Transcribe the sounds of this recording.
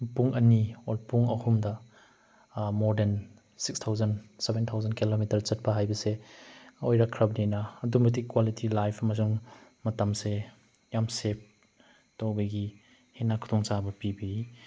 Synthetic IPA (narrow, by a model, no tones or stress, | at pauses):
puŋɐniolpuŋɐhumdɐ | moɾden | sikstʰawzɐnsebentʰawzɐnkilomitɐɾt͡ʃɐt̚pɐɦajbɐse | ojɾakʰɾɐbninɐːdumet̬ikwalitʰilajpʰɐmɐsuŋmɐtɐmse | jamsep̚ | towbɐɡi | henakʰu̥tʰɔŋt͡ʃabɐpibɐi